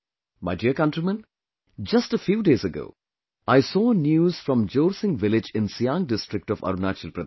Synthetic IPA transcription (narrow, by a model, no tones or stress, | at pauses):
maɪɖiəɾkʌ̃nʈɾimə̃n | d͡ʒɐsʈəfjuːɖeːzəɡo̰ː | aɪsɔːnjuːz̥fɾɔ̃md͡ʒoːɾsɪ̃ŋʋɪlɪd͡ʒɪ̃nsijãŋɖɪsʈɾɪk̚ʈɔʋɐ̰ɾunaːt͡ʃilpɾɐ